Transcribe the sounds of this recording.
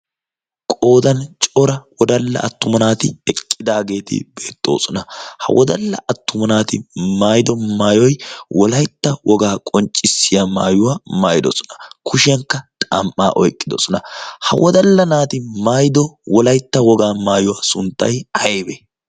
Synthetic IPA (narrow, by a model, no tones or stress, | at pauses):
kʼo̞ːd̪ɐnt͡ʃʼɔɾɐwɔd̪ɐlːɐ̰ʔɐt̪ːʊmɐnaːt̪ɪɛkʼːɪd̪aːɡe̞ːt̪ɪ̰be̞ːt̪ʼːo̞̰ːsɔnɐhɐ̰wɔd̪ɐlːɐʔɐt̪ːʊmɐnaːt̪ɪ̰maːjɪd̪ɔmaːjɔjwɔlɐjt̪ːɐwɔɡaːkʼɔnt͡ʃʼːɪsːɪjama̰ːjʊwaːmaːjd̪ɔsɔ̥nɐ̥kʰʊʃɪjɐŋkːɐt̪ʼɐ̰mʔa̰ːʔɔjkʼːɪd̪ɔsɔnɐhɐ̰wɔd̪ɐlːɐnaːt̪ɪmaːjɪd̪ɔwɔlɐjt̪ːɐwɔɡaːmaːjʊwaːsʊnt̪ːɐ̰jɐjebe